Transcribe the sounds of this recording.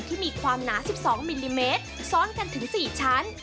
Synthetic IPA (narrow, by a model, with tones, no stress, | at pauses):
t̪ʰiː˥˩miː˧kʰwaː˧mnaː˩˦si˨˩p̚sɔː˩˦ŋmi˧liː˧meː˦˥t̪̚sɔː˦˥nka˧nt̪ʰɯ˩˦ŋsiː˨˩t͡ɕʰaː˦˥n